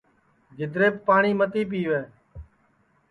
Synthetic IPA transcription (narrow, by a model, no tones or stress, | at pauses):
d͡ʒɪd̪ɾeːpːaːɳiːmət̪iːp̬iːʋeː